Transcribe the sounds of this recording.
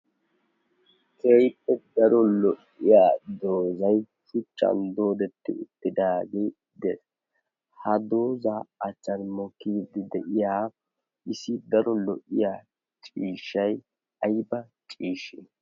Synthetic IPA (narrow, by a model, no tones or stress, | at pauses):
kʰeːjpʼːɛd̪ɐɾɔlɔʔ | ɪjaːd̪o̞ːzɐj | ʃʊt͡ʃʼːɐ̰nd̪o̞ːd̪ɛt̪ːɪ̰ʊt̪ːɪd̪aːɡeː | d̪ɛs | hɐd̪o̞ːzaːɐt͡ʃːɐnmɔkːiːd̪ɪd̪ɛʔɪjaː | ʔɪsɪd̪ɐɾɔlɔʔɪjaː | t͡ʃʼiːʃːɐj | ɐjbɐt͡ʃʼiːʃɪ